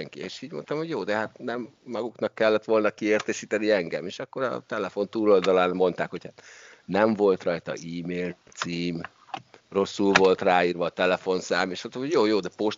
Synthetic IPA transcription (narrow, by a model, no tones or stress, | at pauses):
ɛŋkḭeːʃiːɟmo̞̰nt̪ɒmho̞ɟjoːd̪ɛɦat̪nɛmːɒɡuknɒkːɛlːɛt̪ʋo̞lnɒkieːrt̪ɛʃiːt̪ɛniɛŋɡɛ̰meːʃɒkːo̞ɾɒ̰t̪ɛlɛfo̞nt̪uːlo̞ld̪ɒlaːnmo̞nt̪aːkho̞chat̪ | nɛɱvo̞lt̪rɒjt̪ɒ̰ʔiːmeːlt̪siːm | ro̞sːulvo̞lt̪raːiːrʋɒːt̪ɛlɛfo̞nsaːmeʃɒt̪ːohojoːjoːd̪ɛpoʃ